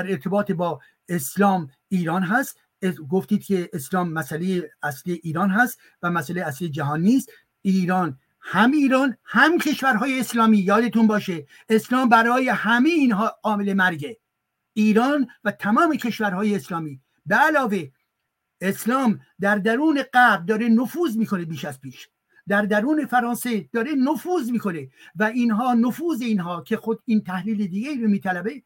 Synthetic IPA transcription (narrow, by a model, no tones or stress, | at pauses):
æɾeɾt̪ʰe̞bɒːt̪ʰebɒː | eslɒːm | iːɾɒːnɦæst̪ | ɡoft̪iːd̪̥̚kʲʰe̞ːslɒːmːæsælejeæslijeʔiːɾɒːnɦæst̪ | væmæsælejæslijed͡ʒæɦɒːnːiːst̪ | iːɾɒːn | hæmiːɾɒːnhæmcʰe̞ʃvæɾɦɒːjeːslɒːmiːjɒːd̪et̪unbɒːʃeː | slɒːmbæɾɒːje̞hæmejiːnɦɒːmele̞mæɾɡe | iːɾɒːnvæt̪ʰæmɒːme̞cʰe̞ʃvæɾɦɒːjeːslɒːmiː | beælɒːve̞ | eslɒːmd̪æɾd̪æɾuːne̞ɢæb̚d̪ɒːɾe̞nofuːzmiːko̞ne̞biːʃæz̥piːʃ | d̪æɾd̪æɾuːne̞fæɾɒːnse̞d̪̥ɒːɾe̞nofuːzmiːko̞ne̞væiːnɦɒːnofuːzeinɦɒːcʰe̞xod̪iːnt̪ʰæhliːled̪iːɡeiːɾomiːt̪ʰælæbe̞